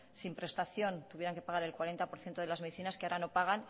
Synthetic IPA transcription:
simpɾe̞st̪aθjo̞nt̪uβje̞ɾaŋke̞paɣaɾe̞lkwaɾe̞nt̪apo̞ɾθje̞nt̪oðe̞lazme̞ðiθinaskeaɾano̞paɣ̞an

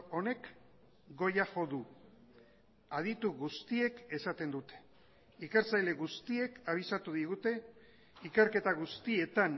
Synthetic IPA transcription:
one̞k | ɡo̞jaxo̞ðu | aðit̪uɣust̪ie̞ke̞sat̪e̞nd̪ut̪e̥ | ikeɾt͡sajle̞ɣust̪ie̞kaβ̞isat̪uðiɣut̪e̞ | ikeɾke̞t̪aɣ̞ust̪ie̞t̪an

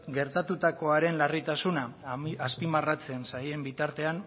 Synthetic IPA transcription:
ɡe̞ɾt̪at̪ut̪ako̞aɾe̞nlarit̪asunaaspimarat͡se̞nsaje̞mbit̪aɾt̪e̞an

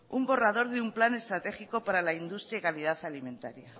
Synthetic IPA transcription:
umbo̞rað̞o̞ɾðeumplane̞st̪ɾat̪e̞xiko̞paɾalaind̪ust̪ɾjaikaliðaθalimẽ̞nt̪a̰ɾja

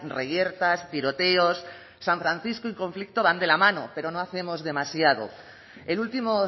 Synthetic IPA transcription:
rejeɾt̪ast̪iɾo̞t̪eosː | aɱfɾan̟θiskoiŋkõ̞ɱflik̚t̪oβ̞and̪e̞lamãnope̞ɾo̞noaθe̞mo̞zðe̞masjað̞o̰ | elult̪imo

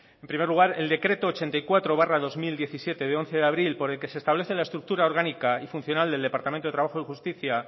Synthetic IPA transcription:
e̞mpɾime̞ɾluɣ̞aɾe̞ld̪e̞kɾe̞t̪o̞ːt͡ʃe̞nt̪ajkwat̪ɾo̞β̞araðo̞zmild̪je̞θisje̞t̪e̞ðeo̞nθe̞ðeaβɾilpo̞ɾe̞lke̞sest̪aβle̞θe̞laest̪ɾuk̚t̪uɾao̞ɾɣanikaifun̟θjo̞nald̪e̞ld̪e̞paɾt̪amẽnt̪ot̪ɾaβaxoixust̪iθja

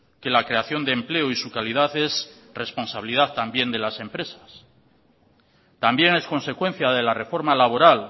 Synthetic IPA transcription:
ke̞lakɾe̞aθjo̞nd̪eːmple̞oisukaliðaθe̞s | re̞spo̞nsaβilið̞at̪ambje̞nd̪e̞lase̞mpɾe̞sḁs | t̪ambje̞ne̞sko̞nse̞kwe̞n̟θjað̞e̞lare̞fo̞ɾmalaβ̞o̞ɾal

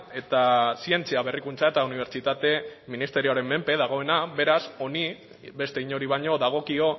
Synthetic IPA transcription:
e̞t̪asie̞nt͡siaβe̞rikunt͡sae̞t̪auniβɾt͡ʃit̪at̪e̞minist̪e̞ɾio̞aɾe̞mːe̞mpe̞ðaɣ̞o̞e̞naβe̞ɾaso̞ni | be̞st̪eiɲo̞ɾiβ̞aɲo̞ðaɣ̞o̞kio̞

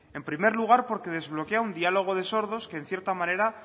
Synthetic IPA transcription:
e̞mpɾime̞ɾluɣ̞aɾpo̞ɾke̞ð̞e̞zβlo̞keaund̪ialo̞ɣ̞o̞ðe̞so̞ɾðo̞ske̞ːn̟θje̞ɾt̪amane̞ɾa

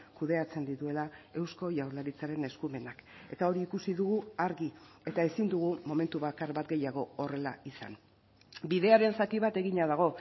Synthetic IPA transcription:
kuðe̞at͡se̞nd̪it̪ue̞lae̞wsko̞jawɾlaɾit͡saɾe̞ne̞skume̞nake̞t̪ao̞ɾiːkusiðuɣuaɾɣie̞t̪aesind̪uɣ̞umo̞me̞nt̪uβakaɾβat̪̚ɡe̞jaɣ̞o̞ore̞laisa̰n | biðe̞aɾe̞nsak̪iβ̞at̪e̞ɣiɲaðaɣ̞o̞

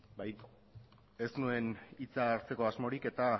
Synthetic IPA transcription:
baj | e̞snue̞nit͡saːɾt͡se̞ko̞azmo̞ɾike̞t̪a

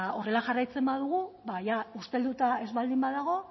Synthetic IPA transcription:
o̞re̞laʝarajt͡se̞mbaðuɣ̞uβajaust̪e̞ld̪ut̪ae̞zβald̪imbaðaɣ̞o̞

